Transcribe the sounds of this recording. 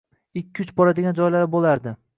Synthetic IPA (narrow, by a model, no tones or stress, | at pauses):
ɪkʲʰːʊt͡ʃbɒɾad̪ɪɡʲand͡ʒɒjlaɾbolˠaɾd̪ɪ